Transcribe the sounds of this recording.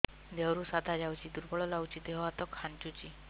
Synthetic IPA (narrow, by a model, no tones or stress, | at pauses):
d̪ewɾusad̪ʱad͡ʒawt͡ʃʰid̪uɾbɔɭɔlawt͡ʃid̪eɦɔat̪ɔkʰːaɳt͡ʃut͡ʃi